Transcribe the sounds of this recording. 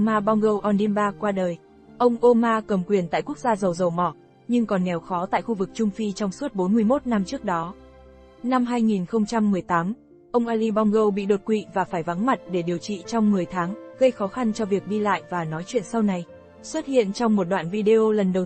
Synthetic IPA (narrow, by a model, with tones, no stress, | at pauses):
maː˧ɓa˧wŋ͡mɣə˧wʔɔ˧nɗi˧mɓaː˧kwaː˧ɗəː˨˩j | ʔə˧wŋ͡mʔo˧maː˧kə˨˩mkwi˨˩ənt̪a̰ː˧˨jku˦˥ək̚zaː˧zə˨˩wzə˨˩wmɔ˧˩ | ɲɨ˧ŋkɔ˨˩nːɛ˨˩wxɔ˨˦t̪a̰ː˧˨jxu˧vɨ˨˩k̚t͡ɕʊ˧ŋ͡mfi˧t͡ɕɔ˧wŋ͡msu˦˥ət̚ɓo˨˦nmɨ˧əjmo˦˥t̚na˧mt͡ɕɨ˦˥ək̚ɗɔ˨˦ | na˧mɦaː˧jŋi˨˩nxə˧wŋ͡mt͡ɕa˧mːɨ˨˩əjt̪aː˨˦m | ʔə˧wŋ͡mʔaː˧li˧ɓa˧wŋ͡mɣə˧wɓḭ˧˨ɗo˨˩t̚kwḭ˧˨vaː˨˩faː˧˩jva˨˦ŋma˨˩t̚ɗe˧˩ɗi˨˩əwt͡ɕḭ˧˨t͡ɕɔ˧wŋ͡mmɨ˨˩əjt̪ʰaː˨˦ŋɣə˧jxɔ˨˦xa˧nt͡ɕɔ˧vi˨˩ək̚ɗi˧la̰ː˧˨jvaː˨˩nɔ˨˦jt͡ɕwḭ˧˨ənsa˧wna˨˩j | swə˦˥t̚hḭ˧˨ənt͡ɕɔ˧wŋ͡mmo˨˩t̚ɗwa̰ː˧˨nvi˧ɗe˧o˧lə˨˩nɗə˨˩w